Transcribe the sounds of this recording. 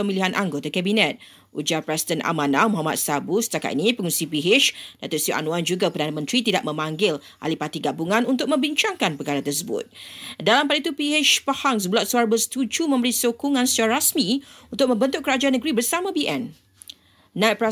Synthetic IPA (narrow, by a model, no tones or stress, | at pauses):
əmiliɦanʔaŋɡot̪akɛbinɛt̪̚ | ʔud͡ʒarpɾɛsi̥dɛnʔa̰manamuɦama̰t̪̚sabusə̥t̪aka̰t̪inĩpəŋunsipiɦɪt͡ʃdat̪oʔsiuʔa̰nũand͡ʒuɡapərdanamə̃nt̪ɾit̪idaʔ̚mə̃maŋɡɪl | ʔa̰lipat̪iɡabuŋãnunt̪ʊk̚mə̃mbiɲt͡ʃaŋkanpəkaɾat̪ərsəbʊ̰t̪̚dalampalit̪upihɪt͡ʃpəhaŋs̬əbəlat̪̚suaɾabəst̪ud͡ʒumə̃mbəɾisokuŋãnsə̥t̪aɾaɾasmĩunt̪ʊk̚mə̃mbənt̪ʊʔkəɾad͡ʒaanːəɡɾibərsamãbiʔɛn | nãt̚pɾɛ